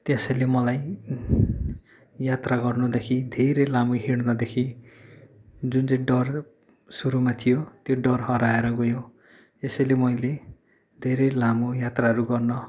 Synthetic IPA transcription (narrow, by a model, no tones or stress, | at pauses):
t̪esʌjlemʌlaj | jat̪raɡʌrnʌd̪ekʰid̪ʱeɾelamuɦiɽnʌd̪ekʰi | d͡zunt͡saj̃ɖʌr | suɾumat̪ʰijot̪joɖʌrɦʌɾaeɾʌɡojo | esʌjlemʌjle | d̪ʱeɾejlamojat̪raɦʌɾuɡʌrnʌ